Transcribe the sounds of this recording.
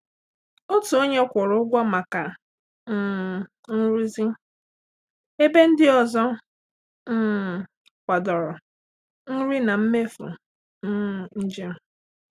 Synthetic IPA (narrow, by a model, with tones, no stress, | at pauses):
o˦tu˨o˦ɲe˦kʷʊ˨ɾʊ˦ɡʷa˦ma˨ka˨ | n̩ː˦˨ | n̩˦ɾi˦zi˦ | e˦be˦n̩˦dɪ˦ɔ˨zɔ˦ | n̩ː˦˨ | kʷa˨dɔ˨ɾɔ˨ | n̩˦ɾi˦na˨m̩˦me˦fʊ̰˨ | n̩˦˨n̩˦d͡ʒe˦m̩˨